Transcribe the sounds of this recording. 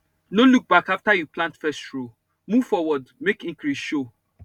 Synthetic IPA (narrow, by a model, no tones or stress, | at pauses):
nõluk̚bakaftajuplãntfɛstɹo | muv̥fɔwɔdmekĩŋkɹisʃo